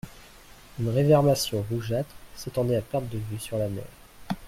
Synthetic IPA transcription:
ynʁevɛʁmasjɔ̃ʁuʒat̪set̪ɑ̃d̪ɛapɛʁt̪̚d̪əvysyʁlamɛ̰ːʁ

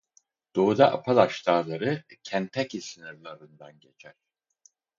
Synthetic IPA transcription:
d̪̥oud̪aʔa̰pʰalˠaʃt̪ʰaːlˠaɾɯcʰænt̪ʰɛcisinɯɾlˠaɾɯnd̪anɟet͡ʃʰæɾ̥

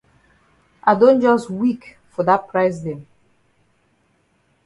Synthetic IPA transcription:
ʔaɪdõnd͡ʒɔstwik | fɔðat̚pʰɹaɪsdẽm

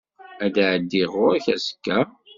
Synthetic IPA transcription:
æd̪ʕəd̪ːiʁʊɾæçæsə̥kːæ

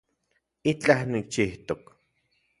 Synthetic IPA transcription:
it͡ɬahnik̚t͡ʃiht̪ok

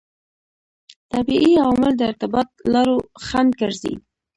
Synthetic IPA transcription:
t̪abiʔiawɑmɪld̪əɪɾt̪ɪbɑt̪̚lɑɾoxand̪̚kəɾzḭ

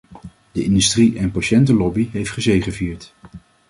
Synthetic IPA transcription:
dəɪndystriʔɛnpaʃɛntəlɔbiɦejftχəzejχəviːɹt

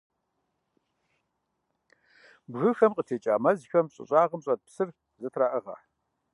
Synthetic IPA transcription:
bɣɨxɐmqʼətʰeːt͡ʃʼa̰ːmɐzxɐmɕʼɪ̰ɕʼaːʁɐmɕʼɐd̚psɨr | zɨtʰraːʔɨʁɐ̰

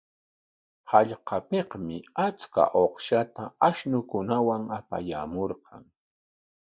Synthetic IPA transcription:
hɑʎqɑpeqmɪat͡ska̰ʔoqʃat̪aaʃnʊkʊnawaŋapa̰jamoɾqɑŋ

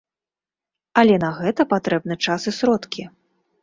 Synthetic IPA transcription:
ɐlʲɛnɐɣɛt̪ɐpat̪ɾɛbnɨt͡ʂasɨsɾɔt̪kʲi

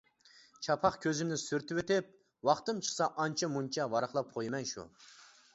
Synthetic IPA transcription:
t͡ʃʰɑpʰɑχkʲʰøzɪmnɪsyɾt̪ɪwet̪ɪp̚ | wɑχt̪ɨmt͡ʃʰə̥χsɑʔɑnt͡ʃʰɑmunt͡ʃʰɑvɑɾɑχlˠɑp̚qʰojmɛnʃṵ

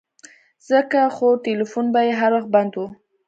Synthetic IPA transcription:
z̥əkaxoʈelifunbajeɦaɾwaxband̪wu

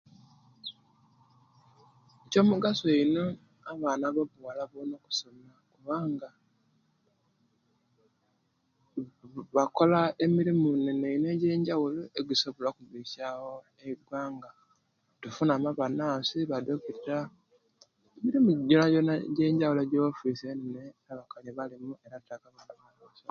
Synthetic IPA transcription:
co̞ːmuɡasoino | aβaːnaβaβwalaβono̞ku̥somakuβaːŋɡa | βako̞lae̞miɾimunene̞ine̞ɟe̞ːɲɟawuloeɡusoβolakuβiʃaho | eiɡwaːŋɡa | tufunamaβanaːsiβadokuɾɾa | emiɾimuɟonaɟonaɟe̞ːɲɟawuloɟoofiseneneeɾaβakaɲiβalimue̞ɾatakaβanaβaβasa

